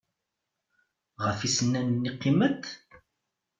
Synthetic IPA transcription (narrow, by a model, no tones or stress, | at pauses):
ʁəfisənːænnːiqːimət̪